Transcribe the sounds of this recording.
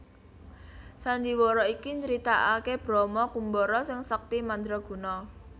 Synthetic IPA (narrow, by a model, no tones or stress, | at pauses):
saɲd͡ʒiwɔɾɔikiɲt͡ʃəɾit̪aʔakeb̥ɾɔmɔkumbɔɾɔsɪŋsək̚t̪imand̪ɾɔɡ̥ṳnɔ